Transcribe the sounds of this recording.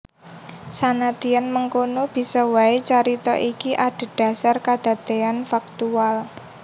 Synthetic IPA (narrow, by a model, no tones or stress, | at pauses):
sanat̪ianməŋkonob̥i̤sɔwaet͡ʃaɾit̪ɔ̰ʔikiʔaɖ̥a̤d̥ä̤sarkad̪̥a̤t̪eanfak̚t̪ual